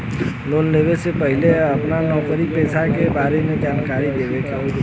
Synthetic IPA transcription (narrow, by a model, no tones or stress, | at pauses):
loːnleːʋesepəɦɪleɐpnanɔːkəɾipɛːsakebaːɾemed͡ʒaːnkaːɾid̪eːʋekaʊ